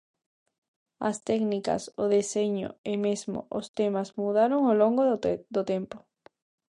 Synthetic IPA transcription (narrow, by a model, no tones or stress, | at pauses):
a̰st̪ɛknika̰soðeseɲo̰emezmo̰ʔost̪emazmuð̞aɾoŋoloŋɡod̪ot̪empo̥